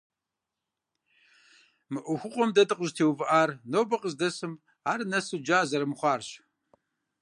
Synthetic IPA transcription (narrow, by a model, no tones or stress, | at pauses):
mɨʔʷʊxʷʊqʷʼɔmdɐdɨqʷʼəʒtʰeːwvɨʔaːrnoːbɐqʼəzdɐsɨm | aːrnɐsud͡ʒaːzɐɾɨmχʷɑːrɕ